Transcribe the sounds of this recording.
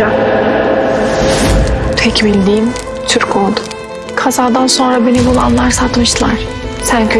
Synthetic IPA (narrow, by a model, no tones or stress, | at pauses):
a | t̪ʰɛcbilʲd̪iːm | t͡ʃʰyɾkʰod̪ʊ | kʰazaːd̪anso̞nɾabe̞nibulˠa̰nlˠaɾsat̪mɯʃt̪ɯlˠaɾ̥ | sæncʰ